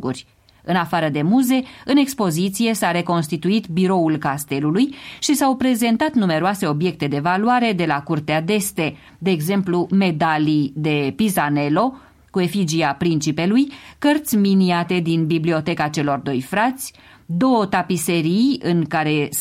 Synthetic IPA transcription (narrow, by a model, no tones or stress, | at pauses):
ṵrʲ | ɨnafaɾəd̪e̞muze̞ɨne̞kspo̞zit̪sije̞saɾe̞ko̞nst̪it̪uit̪biɾo̞ulkast̪e̞lulujʃisawpɾe̞ze̞nt̪at̪nume̞ɾoase̞o̞bje̞k̚t̪e̞d̪e̞valuaɾe̞d̪e̞lakurt̪ead̪e̞st̪e̞ | d̪e̞ːɡze̞mplume̞d̪alid̪e̞pizane̞lo̞ | kue̞fid͡ʒiapɾint͡ʃipe̞lujkərt̪sʲminiat̪e̞d̪inbiblio̞t̪e̞kat͡ʃe̞lo̞rd̪o̞jfɾat̪sʲ | d̪o̞ot̪apise̞ɾijɨŋkaɾe̞